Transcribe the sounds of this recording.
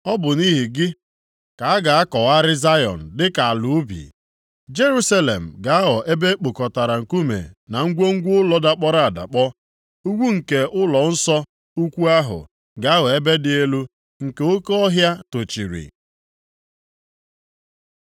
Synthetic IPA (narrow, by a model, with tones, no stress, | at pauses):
ɔ˦bʊ˨ni˦ɦi˨ɡɪ˦ | ka˨a˦ɡa˨a˦kɔ˨wa˦ɾɪ˦za˦jɔ̰˨n̩˨dɪ˦ka˨a˨lʊ˨˦bḭ˨ | d͡ʒe˦ɾu˦sa˦le˨m̩˨ɡa˨a˦ɣɔ˨ʔe˦be˦k͡po˨kɔ˨ta˨ɾa˨ŋ̩˨ku˦mḛ˨na˨ŋ̩˦ɡʷo˦ŋ̩˦ɡʷʊ˦ʊ˦lɔ˦da˨k͡pɔ˦ɾa˦a˨da̰˨k͡pɔ˦ | u˦ɡʷu˦ŋ̩˨ke˨ʔʊ˦lɔ˨n̩˦sɔ˦ | u˦kʷu˦a˦ɦʊ̰˨ | ɡa˨a˦ɣɔ˨e˦be˦dɪ˦e˦lu˦ | ŋ̩˨ke˨o˦ko˦ɔ˦ɦja˦to˨t͡ʃḭ˨ɾḭ˨